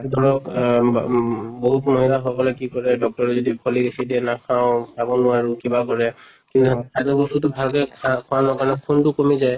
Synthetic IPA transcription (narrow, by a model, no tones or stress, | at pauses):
dʱɔɹɔk | boɦutmɔɦilaɦɔkɔlɛkikɔɹɛdɔk̚tɔɹɔzodipʰɔliɡesidiɛnakʰãʊ̃sabɔnʊwaɹukibakɔɹɛ | kint̪usʰatɔbotutʊbʱalkɛkakʰɔanɔkaɹnɛkʰuntʊkomizaj